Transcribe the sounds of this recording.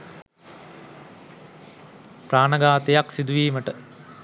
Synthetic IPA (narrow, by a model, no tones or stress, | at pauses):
pɾaːɳɐɡaːt̪ejaksid̪uʋiːməʈə